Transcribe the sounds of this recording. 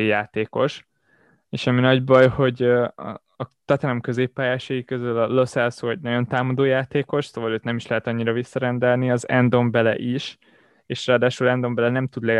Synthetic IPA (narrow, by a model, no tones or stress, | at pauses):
jaːt̪eːko̞ʃ | eːʃɒminɒɟbɒjho̞ɟɒ̰ː | t̪ɒt̪aɾɒmkø̞zeːpːaːjaːʃɒjikøzylɒlosɛlsɔɟ̚nɒɟo̞nt̪aːmɒd̪oːjaːt̪eːko̞ʃsoːvɒløːt̪nɛmiʃlɛɦɛt̪ɒɲːiɾɒvisːɒɾɛnd̪ɛlniɒzɛ̰nd̪o̞mbɛlɛ̰ʔiʃ | eːʃraːd̪aːʃulɛnd̪o̞mbɛlɛnɛmt̪ud̪lɛ